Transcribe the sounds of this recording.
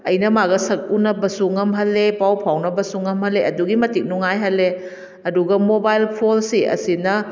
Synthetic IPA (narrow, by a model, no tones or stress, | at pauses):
ɐjnɐmaɡɐsɐk̚unɐbɐsuŋɐmɦɐlːepawpʰawnɐbɐsuŋːɐmhɐlːeʔɐduɡimɐtik̚nuŋajɦɐlːe | ɐduɡɐmobajlpʰolsiʔɐ̰sinɐ